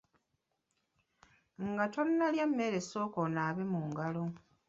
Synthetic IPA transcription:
ŋɡatonnaljamːe̞ːɾe̞so̞ːkonaːβemuːŋɡalo

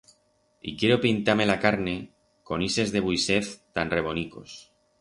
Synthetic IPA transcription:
ḭkjeɾo̞pint̪ame̞lakaɾne̞ | ko̞nise̞zðe̞β̞ujse̞θt̪anre̞β̞o̞niko̞̰s

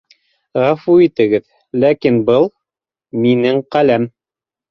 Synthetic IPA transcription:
ʁɑfuit̪ɘ̆ɡɘð | lækinbɤlˠ | minɘŋqælæm

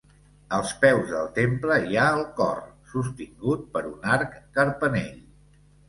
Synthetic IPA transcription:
əlˠspɛwzðə̰lˠt̪empləiaəlˠkɔ̰rsust̪iŋɡut̪̚pəɾunaɾkːəɾpəneʎ

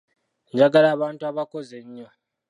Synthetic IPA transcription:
ɲd͡ʒaɡalaːβaːntuaβako̞zeɲːo

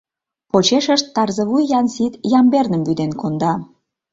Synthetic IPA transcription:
pot͡ɕeʃəʃt̪ːɑrzə̆βujːɑnsit̪jɑmbernəmbyd̪enkond̪ɑ

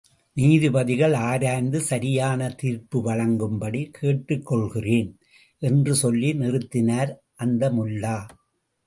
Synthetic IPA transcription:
niːðɯbɐðɪɣɐɭaːɾaːnd̪ɯsɐɾɪjaːnɐt̪iːɾpɯʋɐɻɐŋɡɯmbɐɽikʰeːʈːɯkːɔɭɣɪreːn | ʔɛndrɯsɔlːinɪrɯt̪ːɪnaːɾ | ʔɐnd̪ɐmʊlːaː

